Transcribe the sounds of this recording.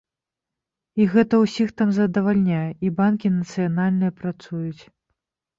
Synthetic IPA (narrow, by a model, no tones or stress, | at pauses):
iɣɛt̪ɐwsʲixt̪amzɐd̪ɐvalʲnʲajɛʔibankʲinɐt̪sɨjanalʲnɨjɐpɾat̪sujut͡sʲ